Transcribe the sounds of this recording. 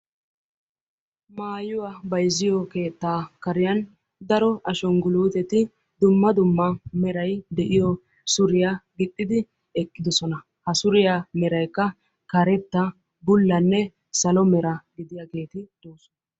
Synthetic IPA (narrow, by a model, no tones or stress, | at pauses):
maːjʊwabɐjzɪjɔke̞ːt̪ːaːkɐɾɪjɐn | d̪ɐɾɔʔɐʃɔŋɡʊluːt̪ɛt̪ɪ | d̪ʊmːɐd̪ʊmːɐmɛɾɐjd̪ɛʔɪjɔ | sʊɾɪjaɡɪt̪ʼːɪd̪ɪ | ɛkʼːɪd̪ɔsɔnɐ | hɐsʊɾɪjamɛɾɐjkːɐ | kɐɾɛt̪ːɐ | bʊlːɐnːɛ | sɐlɔmɛɾɐɡɪd̪ɪjɐɡe̞ːt̪ɪd̪̥oːsɔn